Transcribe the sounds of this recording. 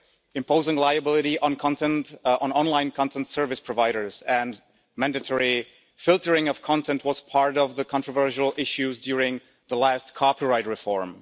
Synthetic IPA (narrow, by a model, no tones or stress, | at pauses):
ɨ̃mpʰoʊzɪ̃ŋlaɪɨbɪlˠɨɾiʔə̃nkʰɑ̃ntɛ̃ntnɑ̃nlãɪ̃nkʰɑ̃ntʰɛ̃ntsɜ˞vɨspʰɹ̥ɔvaɪɾə˞zɨ̃n | mæ̃ndɨtʰɔɹi | fɪlˠtə˞ɪ̃ŋʌv̥kʰɑ̃ntʰɛ̃nt̚wʌz̥pʰɑɹɾʌvðəkʰɑ̃ntɹ̥əvɜ˞ʃəl̩ˠʔɪʃʉzdjʊɹɪ̃ŋ | ðəlæst̚kʰɑpiɹaɪt̚ɹɨfɔɹm